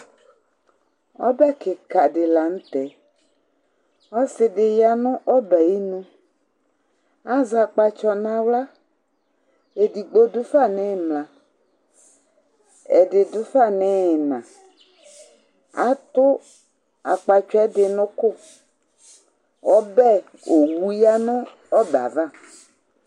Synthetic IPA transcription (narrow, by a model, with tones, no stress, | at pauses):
wɔ̰˦bɛ˦kɪ˨ka˨dɪ˨la˨ŋ̩̃˦t̪ɛ˨˦ | ɔ˦sɪ˨dɪ˨ja˨nɔ̃˦ʔɔ˦bɛ˨ji˦nũ˦ | a˦za˨k͡pa˨t͡ʃɔ˨nã˨wla˦ | e˨di˨ɡ͡bo˦dʊ˦fa˦˨nɛ˦˨mla˨ | ḛ˨dɪ˨dʊ˦fa˦˨nɛ˦˨nã̰˨ | a̰˨˦t̪ʊ˦ | a̰˨k͡pa˨t͡ʃɛ˦dɪ˨nʊ̃˦kʊ˦˨ | wɔ˦bɛ˦ | o˨wu˨ja˦nʊ̃˦ | ɔ˦ba̰˨va˦˨